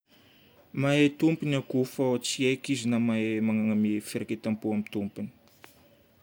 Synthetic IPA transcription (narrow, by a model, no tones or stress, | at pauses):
maet̪umpinakufaot͡siekizinamaemaŋaŋamefeɾaket̪ampuamit̪umpini̥